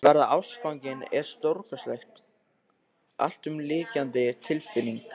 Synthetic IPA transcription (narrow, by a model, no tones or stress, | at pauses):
vɛɾðaʔawsfawɲcɪnɛɾ̥st̪owɾkœslɛjxt̪ | a̰l̥t̪ʏmlɪːcant̪ɪt̪ʰɪlfɪnːiŋk